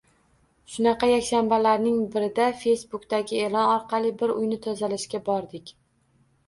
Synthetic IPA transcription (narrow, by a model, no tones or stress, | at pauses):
ʃʊnɑqɑjakʲʃanbalaɾnɪŋbɪɾɪd̪afe̞jsbʊkt̪aɡʲɪelˠɒnɒɾqʰɑlˠɪbɪɾʊ̰jnɪt̪ʰozalɪʃkʲabɒɾd̪ɪkʲ